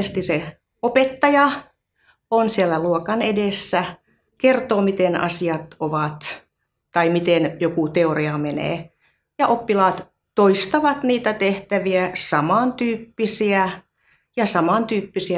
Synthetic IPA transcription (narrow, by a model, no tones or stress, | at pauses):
st̪ise | opet̪ːɑjɑ | onsielːæluokɑnedesːæ | kert̪oːmit̪enɑ̰siɑt̪oʋɑt̪ | t̪ɑimit̪enjokut̪eoriɑmenḛː | jɑʔopːilɑːt̪ | t̪oist̪ɑʋɑt̪niːt̪æt̪eht̪æʋiæsɑmɑˑnt̪yːpːisiæ | jɑsɑmɑnt̪yːpːisiæ